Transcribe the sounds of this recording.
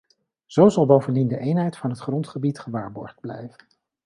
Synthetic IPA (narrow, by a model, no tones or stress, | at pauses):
z̥owzɑlˠbowvəndindəʔejnɦɛjtfɑnɦətχrɔntχəbitχəʋaːɹbɔ̰ɹχd̚blɛ̰jvən